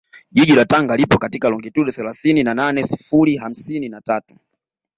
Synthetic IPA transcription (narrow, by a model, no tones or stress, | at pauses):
ʄiʄilataŋɡalipɔkatikalɔŋɡituɗɔθɛlaθininananɛsi̥fuliɦam̩sininatatu̥